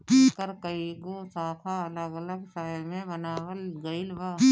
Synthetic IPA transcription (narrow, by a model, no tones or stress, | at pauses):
kəɾkɐiɡosaːt̪ʰaɐləɡələɡsaːjmẽbɐnaːʋəlɡɐɪlʋaː